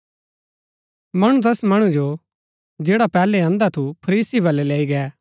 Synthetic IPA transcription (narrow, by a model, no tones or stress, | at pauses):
mɐɽ̃ũt̪̬ɛsmɐɽ̃ũd͡ʒo | d͡ʒeːɽapɛːleãːnd̪at̪ʰupʰɐɾiːsibɐleleːiɡɛː